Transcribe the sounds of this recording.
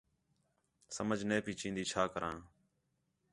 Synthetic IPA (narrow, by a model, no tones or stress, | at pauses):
səməd͡ʒʱneːpiːt͡ʃĩːnd̪iːt͡ʃʰaːkəɾʔãː